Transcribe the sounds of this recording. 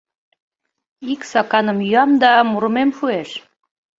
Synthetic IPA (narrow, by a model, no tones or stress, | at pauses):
iksɑkɑnə̆mjyɑmd̪ɑmuɾə̆memʃueʃ